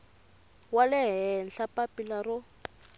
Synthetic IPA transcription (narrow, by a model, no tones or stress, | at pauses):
walɛɦɛnɬapapilarʊ